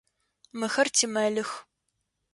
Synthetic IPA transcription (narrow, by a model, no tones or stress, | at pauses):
mɨxɐrtʰimɐlɨx